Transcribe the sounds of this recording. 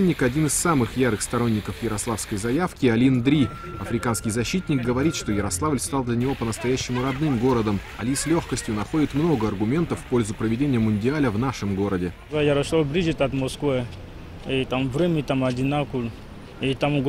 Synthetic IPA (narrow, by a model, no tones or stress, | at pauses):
nʲːɪkɐdʲinɨsːamɨxjaɾɨxst̪ɐɾo̞nʲːɪkəfjɪɾɐslˠafskəjzɐjafkʲɪɐlʲind̪ɾʲi | ɐfɾʲɪkanskʲɪjzɐɕːit̪ʲnʲɪk̚ɡəvɐɾʲit̪ʂt̪o̞jɪɾɐslˠavlʲst̪alˠd̪lʲənʲɪvo̞pənəst̪ɐjæɕːɪmʊɾɐd̪nɨmɡo̞ɾəd̪əm | ɐ̰lʲisʲlʲo̞xkəsʲtʲjʊnɐxo̞dʲɪt̪mno̞ɡəɐrɡʊmʲe̞nt̪əfːpo̞lʲzʊpɾəvʲɪdʲenʲɪjəmʊnʲdʲɪalʲəvnaʂɨmɡo̞ɾədʲɪzajɐɾɐsˠablʲizit̪at̪moskvɨ | it̪amvɾɛmʲit̪amad̪ʲɪnakul | it̪amɡ